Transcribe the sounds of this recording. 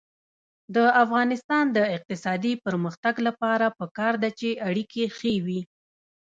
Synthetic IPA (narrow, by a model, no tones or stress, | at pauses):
d̪əafɣɑnɪst̪ɑnd̪əɪq̚t̪ɪsɑd̪ipəɾməxt̪aɡlapɑɾapəkɑɾd̪at͡ʃeaɽikʰexewi